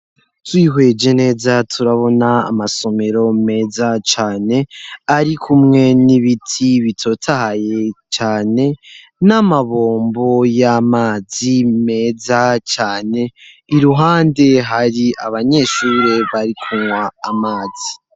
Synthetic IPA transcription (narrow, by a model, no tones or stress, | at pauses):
twiːɦwe̞d͡ʒe̞ne̞ːzatʰuɾaβo̞na̰ːmaso̞me̞ɾo̞me̞ːzat͡ʃaːne̞aɾikʰumŋe̞niβitʰiβitʰo̞tʰahaje̞t͡ʃaːne̞ | namaβoːmbo̞jamaːzime̞ːzat͡ʃaːne̞ | iɾuɦaːnde̞ɦaɾiʔaβaɲe̞ʃuɾe̞βaɾikʰuŋwaːmaːzi